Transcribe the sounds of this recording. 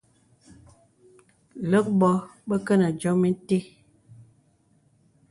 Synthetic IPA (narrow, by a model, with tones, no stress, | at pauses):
lə˦k̚bɔ˨˦bə˦kə˦nə˨d͡ʒɔ˨˦mi˦n˦te˦